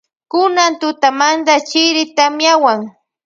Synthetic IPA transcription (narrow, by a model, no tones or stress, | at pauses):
kʊnant̪ʊt̪amand̪at͡ʃɪɾɪt̪amjawaŋ